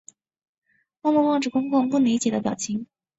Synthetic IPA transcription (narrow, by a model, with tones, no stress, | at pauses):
wɔ˥˧mu˥˧wɑ˥˧ŋʈ͡ʂɻ̩˥˩kʊ˥ŋkʊ˥˧ŋpu˥˩li˧˥t͡ɕjɛ˨˩d̪ə˦pjɑ˨˩ʊt͡ɕʰi˧˥˦ŋ